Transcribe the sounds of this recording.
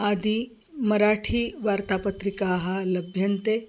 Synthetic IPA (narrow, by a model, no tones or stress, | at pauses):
ad̪i | mɐɾaʈʰiːʋaːɾt̪apət̪ɾikaːɦɐlɐbʱjɐnt̪e